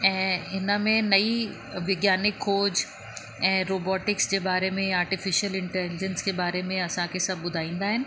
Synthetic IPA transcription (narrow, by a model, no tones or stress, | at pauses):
ɛ̃ːɪnəmẽnɐi | ʋɪɡjaːnɪkʰːoːd͡ʑ | ɛ̃ːɾoːbɔːʈɪksd͡ʑebaːɾemẽaːɾʈɪfɪʃiəlɪ̃ɳʈɛlɪd͡ʑənskebaːɾemẽɐsãkesɐbbʊd̪ʱaːĩːnd̪aːɦɪnɪ̆